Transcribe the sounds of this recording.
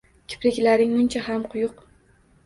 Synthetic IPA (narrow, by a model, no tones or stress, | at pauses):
kʲʰɪ̥pɾɪkʲlaɾɪŋmʊnt͡ʃʰahamqʰʊjʊq